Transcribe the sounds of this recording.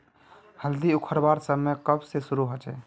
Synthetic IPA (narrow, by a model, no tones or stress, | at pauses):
həld̪iukʰəɾbaɾsəbmːekəbsesuɾuɦot͡ʃɛ